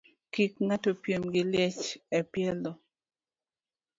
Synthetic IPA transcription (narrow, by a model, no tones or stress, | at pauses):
kikŋatopjemɡɪljet͡ʃɛpjɛlo